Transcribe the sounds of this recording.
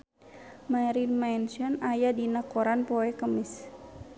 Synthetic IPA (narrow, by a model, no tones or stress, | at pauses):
maɾinmansɔnajadinakɔɾanpɔɛkəmɪs